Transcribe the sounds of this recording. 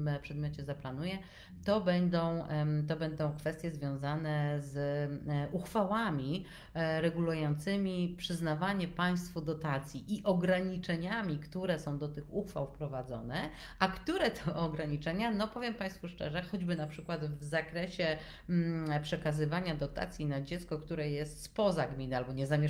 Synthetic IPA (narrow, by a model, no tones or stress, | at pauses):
mpʂɛd̪mʲjɔt͡ɕɛzaplanujɛ | t̪ɔbɛnd̪ɔ̃w̃t̪ɔbɛnd̪ɔ̃w̃kfɛst̪jɛzvʲjɔ̃w̃zanɛz | ʔuxfawamʲi | ɾɛɡulujɔnt̪sɘmʲipʂɘznavaɲɛpaj̃st̪fud̪ɔt̪at̪sʲjiʔiʔɔɡɾaɲit͡ʂɛɲamʲikt̪uɾɛsɔ̃w̃d̪ɔt̪ɘxuxfa̰wfpɾɔvad̪zɔ̰nɛ | ʔakt̪uɾɛt̪ʰɔɔɡɾaɲit͡ʂɛɲanɔpɔvʲjɛmpãj̃st̪fuʂt͡ʂɛ̰ʐɛxɔd͡ʑbɘnapʂɘkwat̪vzakɾɛɕɛ | pʂɛkazɘvaɲad̪ɔt̪a̰t̪sʲjinad͡ʑɛt̪skɔkt̪uɾɛjɛst̪spɔzaɡmʲinɘalbɔɲɛzamʲɛ